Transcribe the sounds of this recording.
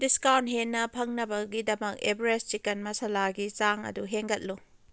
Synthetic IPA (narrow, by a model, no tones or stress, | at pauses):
diskawntɦenːɐpʰɐŋnɐbɐɡidɐmɐk̚ebɾest͡ʃikɐnmɐsɐlaɡit͡ʃaŋɐ̰duɦeŋɡɐt̚lu